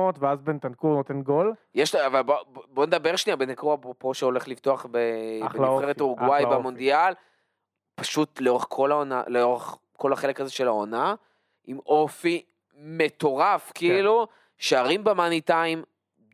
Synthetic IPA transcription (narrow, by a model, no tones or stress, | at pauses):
ot̪veazbent̪ankuʁnot̪enɡoljeʃavalbobo̞ned̪abeʁʃniabenakuabpoʃeo̞leχlivt̪oaχbebeeʁet̪oʁuɡwajbemond̪ial | paʃut̪leo̞ʁeχkʰo̞laonaleoʁeχ | ko̞laχele̞kazeʃe̞laona | ʔimʔo̞fi | met̪o̞ʁafkiilu | ʃeaʁimbemanitaim